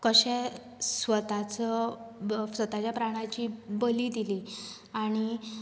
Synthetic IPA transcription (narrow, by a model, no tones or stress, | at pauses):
kəɕɛ | sʋət̪at͡sə | sʋət̪at͡ɕjapɾaɽ̃at͡ɕiːbəliːd̪ili | aɽ̃i